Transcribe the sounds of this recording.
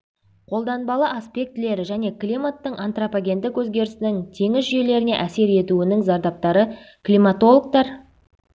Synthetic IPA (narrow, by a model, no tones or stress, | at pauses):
qʰo̞lˠd̪ɑnbɑlˠəaspʲe̞k̚t̪ɪle̞ɾɪʒæne̞klʲimat̪ːəɴʔant̪ropaɡʲend̪ɪkwɵzɡʲe̞ɾɪsɪnɪŋt̪ʰe̞ŋɪzʒʏjele̞ɾɪne̞̰ʔæse̞ɾe̞t̪uɪnɪŋzɑɾd̪ɑp̚t̪ɑɾə | klʲimat̪o̞lˠək̚t̪ɑɾ